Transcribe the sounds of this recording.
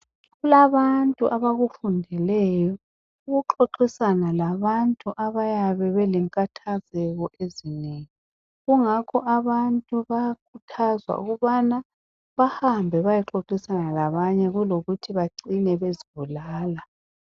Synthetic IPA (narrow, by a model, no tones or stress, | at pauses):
ɣulaβantʼuʔaβaɣufundʱɛlɛjɔ | uɣuǃoǃisanalaβantʼuʔaβajaβɛβɛlɛŋkʼatʰazɛɣɔʔezineŋi | ɣuŋakʰɔʔaβantʼuβajakʰutʰazwa̰ṵɣuβana | βahambʱɛβajɛǁoǃisanalaβaɲɛɣuloɣutʰiβaǀinɛβeziβulaːla